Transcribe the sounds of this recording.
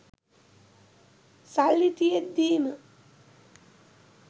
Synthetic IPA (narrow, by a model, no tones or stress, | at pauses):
salːit̪ijet̪̚d̪iːnə